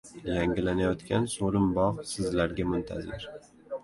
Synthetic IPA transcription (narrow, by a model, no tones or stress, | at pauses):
jaŋɡʲɪlanajɒt̪kʲʰansoɾɪmbɒʁsɪzlaɾɡʲamʊnt̪ʰa̰zɪɾ